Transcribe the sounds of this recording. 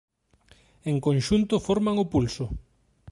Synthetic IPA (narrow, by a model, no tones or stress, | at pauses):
eŋkõnʃunt̪ʊfoɾmaŋʊpulsʊ